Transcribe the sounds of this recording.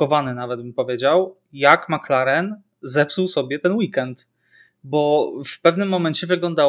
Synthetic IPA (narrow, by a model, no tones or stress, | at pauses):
ɔvanɘnavɛtd̪̚bɘmpɔvʲjed͡ʑaw | jakmaklaɾɛn | zɛpsuwsɔbʲjɛt̪ɛnwikɛnt̪ | bɔfpɛvnɘmːɔmɛɲt͡ɕɛvɘɡlɔnd̪a